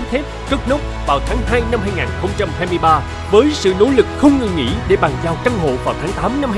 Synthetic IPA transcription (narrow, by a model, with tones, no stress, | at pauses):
t̪ʰe˦˥p̚kə˦˥t̚no˦˥p̚vaː˨˩wt̪ʰaː˨˦ŋhaː˧jna˧mhaː˧jŋaː˨˩nxə˧wŋ͡mt͡ɕa˧mhaː˧jmɨ˧jɓaː˧ | vəː˨˦jsɨ̰˧˨no̰˨˦lɨ˨˩k̚xə˧wŋ͡mŋə˨˩ŋḭ˧˥ɗe˧˩ɓaː˨˩ŋzaː˨˩wt͡ɕə˧ŋɦo̰˧˨vaː˨˩wt̪ʰːŋt̪aː˨˦mna˧m